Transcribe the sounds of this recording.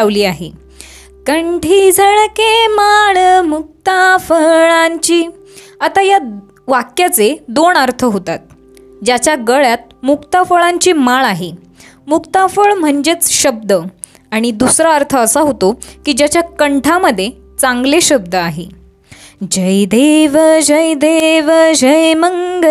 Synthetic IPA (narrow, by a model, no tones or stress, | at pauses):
aʋliːaɦḛ | kəɳʈʰiːd͡zʱəɭkemaɭmuk̚t̪afəɭaɲt͡ɕiː | at̪aja | ʋakjat͡sed̪oɳəɾt̪ʰəɦot̪at̪̚ | d͡ʑat͡ɕjaɡəɭjat̪̚mukt̪afəɭaɲt͡ɕimaɭaɦe | mukt̪afəɭm̤əɳd͡ʑet͡sɕəb̚d̪ə | aɽ̃id̪usɾaəɾt̪ʰəːsaɦot̪okiːd͡ʑjat͡ɕjakəɳʈʰaməd̪ʱːje | t͡sãŋɡleɕəb̚d̪əaɦḛ | d͡ʑəjd̪eʋəd͡ʑəjd̪eʋəd͡ʑəjməŋɡə